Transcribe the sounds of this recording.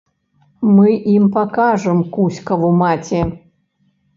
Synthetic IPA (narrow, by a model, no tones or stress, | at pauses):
mɨʔimpakaʐɨmkusʲkɐvumat͡sʲɛ